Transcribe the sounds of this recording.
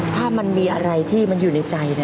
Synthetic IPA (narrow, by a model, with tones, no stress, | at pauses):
t̪ʰaː˥˩ma˧nmiː˧ʔa˧ɾa˧jt̪ʰiː˥˩ma˧njuː˨˩na˧jt͡ɕa˧jni˥˩